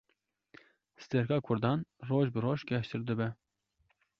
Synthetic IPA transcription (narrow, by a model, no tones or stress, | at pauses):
sɨ̥t̪ɛɾkɑːkʰʊɾd̪ɑːnroːʒbɨroːʒɡʲɛʃt̪ɨɾd̪ɨbɛ